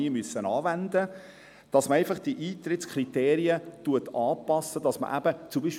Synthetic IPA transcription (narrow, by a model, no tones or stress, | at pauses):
iːmysːənɑːvænd̪ə | d̥ɑsməɾæɪfɑχd̥iʔiːt̪ɾɪt̪skʰrit̪eːɾiətuətɑːpɑsəd̥ɑsmə̰ʔæ̰bət͡sumbiːʃ